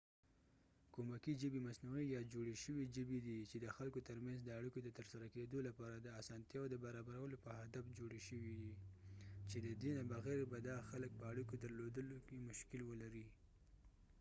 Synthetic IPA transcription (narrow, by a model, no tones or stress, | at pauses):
komakiʒəbimasnuijɑd͡ʒoɽeʃəwiʒəbid̪it͡ʃed̪əxalkot̪əɾmanzd̪əaɽikod̪ət̪əɾsaɾaked̪olapɑɾad̪əasɑnt̪jɑod̪əbaɾɑbaɾawəlopəɦad̪afd͡ʒoɽeʃəwid̪i | t͡ʃed̪əd̪enabaɣeɾbad̪ɑxalək̚pəaɽikod̪əɾlod̪əlokemʊʃkɪlwəlaɾi